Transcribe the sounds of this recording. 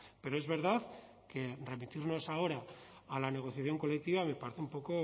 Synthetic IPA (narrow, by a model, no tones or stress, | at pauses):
pe̞ɾoe̞zβe̞ɾðað | ke̞re̞mit̪iɾno̞sao̞ɾaːlane̞ɣ̞o̞θjaθjo̞ŋko̞le̞k̚t̪iβamepaɾeθeumpo̞ko̞